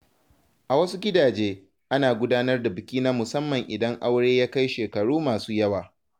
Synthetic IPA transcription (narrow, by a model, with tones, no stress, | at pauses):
ʔa˨wɐ˦su˦ɡʲɪ˦daː˨d͡ʒeː˦ | ʔa˦naː˨ɡʷʊ˦daː˦nɐ˦rda˨bɪ˨kʲiː˦naː˦mʊ˨sɐ˦mːɐ˨ŋʔɪ˨dɐ˦ŋʔa˦wɽeː˦jaː˦ka˦jʃeː˨kɐ˨ɽuː˦maː˨suː˦jɐ˦waː˨